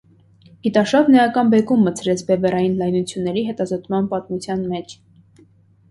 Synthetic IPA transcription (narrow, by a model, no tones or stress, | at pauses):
it̪ɑʃɑvnɛjɑkɑnbɛkumːət͡sʰɾɛt͡sʰbɛvɛɾɑjinlɑjnut͡sʰjunːɛɾiɦɛt̪ɑzɔt̪mɑnpɑt̪mut͡sʰjɑnmɛt͡ʃʰ